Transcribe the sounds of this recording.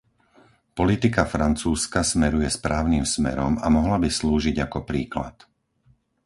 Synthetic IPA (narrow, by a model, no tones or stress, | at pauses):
pɔlit̪ikafɾant͡suːskasmɛɾujɛspɾaːʊnimsmɛ̰ɾɔma̰mɔɦlabisluːʒiɟakɔpɾiːkla̰t̪